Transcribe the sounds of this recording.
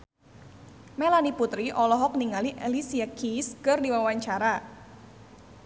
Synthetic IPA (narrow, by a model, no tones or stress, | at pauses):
melaniput̪ɾiʔɔlɔɦɔk̚niŋaliʔelisiakʰiskɨrdiwawaɲt͡ʃaɾa